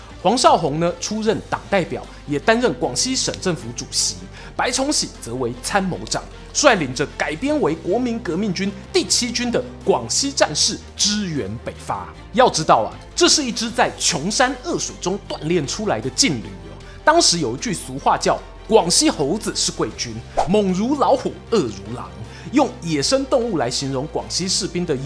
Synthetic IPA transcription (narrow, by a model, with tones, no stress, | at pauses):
xwɑ˧˥ŋʂɑ˥˩ʊxʊ˧˥ŋnə˧ʈ͡ʂʰu˥ɻə˥˩nt̪ɑ˨˩ŋt̪a˥˩ɪpjɑ˨˩ʊjɛ˨˩t̪a˥nɻə˥˩nkwɑ˨˩ŋɕi˥ʂə̰˨˩ŋʈ͡ʂə˥˩ŋfu˧˥ʈ͡ʂu˨˩ɕi˧˥˦ | pa˧˥ɪʈ͡ʂʰʊ˧˥ŋɕḭ˨˩t͡sɤ˧˥we˧˥ɪt͡sʰa˥nmo̰˧˥ʊʈ͡ʂɑ̰˨˩˦ŋ | ʂwa˥˩ɪli˨˩nʈ͡ʂə˦ka˨˩ɪpjɛ˥nwe˧˥ɪkwɔ˧˥mi˧˥nkɤ˧˥mi˥˩ŋt͡ɕy˥nt̪i˥˩t͡ɕʰi˥t͡ɕy˥nd̪ə˨kwɑ˨˩ŋɕi˥ʈ͡ʂa˥˧nʂɻ̩˥˩ | ʈ͡ʂɻ̩˥ɥɛ˧˥npe˨˩ɪfa̰˥ | jɑ˥˩ʊʈ͡ʂɻ̩˥t̪ɑ˥˩ʊɐ̰˩ | ʈ͡ʂɤ˥˧ʂɻ̩˥˧i˥˩ʈ͡ʂɻ̩˥t͡sa˥˩ɪt͡ɕʰjʊ˧˥ŋʂa˥nɤ˥˩swɔ˨˩ʈ͡ʂʊ˥ŋt̪wa˥˧nljɛ˥˩nʈ͡ʂʰu˥la˧˥ɪd̪ə˧t͡ɕi˥˧nly̰˥˩˨ | t̪ɑ˥ŋʂɻ̩˧˥jo˨˩ʊi˧˥t͡ɕy˥˩su˧˥xwa˥˧t͡ɕjɑ˥˩ʊ | kwɑ˨˩ŋɕi˥xo˧˥ʊd͡zɹ̩˨ʂɻ̩˥˧kwe˥˩ɪt͡ɕy˥nmʊ˨˩ŋɻu˧˥lɑ˧˥ʊxu˨˩˦ɤ˥˩ɻu˧˥lɑ̰˧˥ŋ | jʊ˥˩ŋjɛ˨˩ʂə˥nt̪ʊ˥˧ŋu˥˩la˧˥ɪɕi˧˥ŋɻʊ˧˥ŋkwɑ̰˨˩ŋɕi˥ʂɻ̩˥˩pi˥ŋd̪ə˨